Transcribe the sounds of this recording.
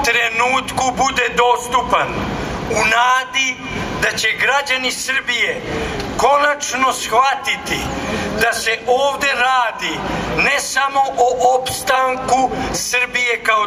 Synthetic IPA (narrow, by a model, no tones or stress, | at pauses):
t̪ɾenuːt̪kubud̪ed̪o̞st̪upanunaːd̪i | d̪at͡ɕeɡɾad͡ʑanisr̩bijeko̞nat͡ʃno̞sxʋat̪it̪id̪aseʔoːʋd̪e̞ɾaːd̪inɛsamo̞ʔoʔopst̪aŋkusrbijekao